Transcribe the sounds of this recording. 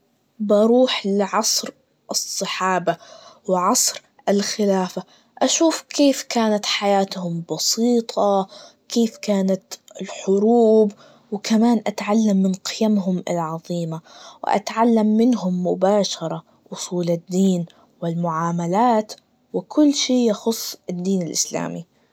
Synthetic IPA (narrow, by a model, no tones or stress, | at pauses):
bɑɾˤuːħlɪʕɑsˤɾ | ʔɨsˤːɨħɑːbawɪʕɑsˤɾ | ʔɪlxɪlaːfa | ʔaʃuːfkʰeːfkaːnat̪ħajaːt̪hʊmbɑsiːt̪ˤʰɑkeːfkaːnat̪ɪlħʊɾuːb | wɪkʰamaːnʔat̪ʕalːamːɪnqɪjamɦʊmɪ̰lʕɑðˤiːmawɪ̰ʔa̰t̪ʕalːamːɪnɦʊmːʊbaːʃɑɾˤɑ | ʔʊsˤuːlɪd̪ːiːn | wɪlmʊʕaːmalaːt̪ | wɪkʰʊlːʃiːjɑxʊsˤːɪd̪ːiːnɪlʔɪ̰sla̰ːmi